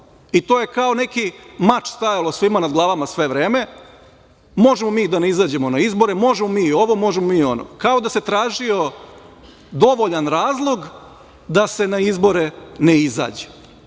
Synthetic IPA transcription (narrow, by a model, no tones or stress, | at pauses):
it̪o̞ːje̞kaone̞kimat͡ʃst̪ajalo̞sʋimanad̪ɡlˠaːʋamasʋe̞ʋɾe̞ːme̞ | mo̞ʒemomiːd̪aneizaːd͡ʑe̞mo̞naizbo̞ɾemo̞ʒemomiːo̞ʋo̞mo̞ʒemomiːo̞no̰kao̞d̪ase̞t̪ɾaːʒio̞ | d̪o̞ʋo̞ʎanɾaːzlˠo̞ɡ | d̪ase̞naizbo̞ɾeneiza̰ːd͡ʑe̥